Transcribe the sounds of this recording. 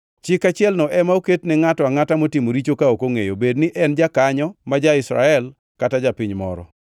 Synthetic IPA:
t͡ʃɪkat͡ʃɪɛlnɔʔɛmaoketnɪŋatɔaŋatamotimoɾit͡ʃokaokoŋejobednɪʔɛnd͡ʒakaɲɔmad͡ʒaɪsɾa̰ɛl | katad͡ʒapiɲmɔ̰ɾɔ̰

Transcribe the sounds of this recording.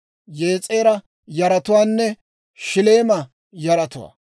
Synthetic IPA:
je̞ːt͡sʼe̞ːɾɐ | jɐɾɐt̪ʊwaːnːɛ | ʃɪleːmɐ | jɐɾɐt̪ʊwa̰ː

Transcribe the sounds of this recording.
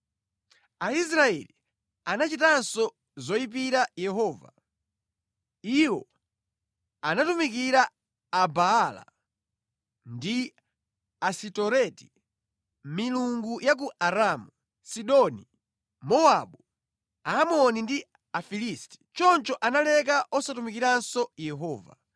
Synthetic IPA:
ais̬ɾaɛ̰li | anat͡ʃitansɔ | zɔipiɾajɛɦɔːva̰ | iwɔ̰ | anatumik̬iɾaː | baala̰ | ndi | asitɔɾɛti̥ | miluŋɡujak̬uʔaɾamu | siɗɔni | mɔaɓu | aːmɔnindi | afilisti̥t͡ʃɔnt͡ʃɔʔanalɛk̬aʔɔsatumikiɾansɔjɛɦɔːva̰

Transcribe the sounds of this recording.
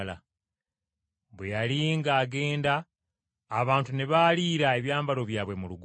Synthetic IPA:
la | βwejaliŋɡaːɡe̞ːndaː | βaːntune̞βaːliːɾae̞βjaːmbalo̞βjaːβwe̞muluɡ

